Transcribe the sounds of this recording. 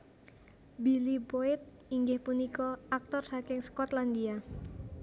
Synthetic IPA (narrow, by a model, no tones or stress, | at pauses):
bilipoɪt̪̚ | iŋɡɪhpunikɔak̚t̪ɔrsakɪŋsə̥kɔt̪land̪ia